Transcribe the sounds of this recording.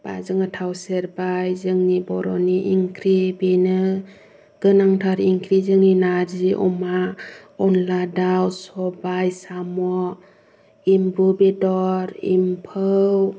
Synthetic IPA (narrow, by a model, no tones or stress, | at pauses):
b̥a̰zɯŋɯtʰawseɾbajzɯŋnibɔɾɔ̰niʔiŋkʰɾibenɯ | ɡ̥ɯnaŋtʰaɾiŋkʰɾizɯŋninaɾziʔɔ̰ma | ɔnladawsɔbajsamɔ | imbɾubedɔɾḭmpʰɯw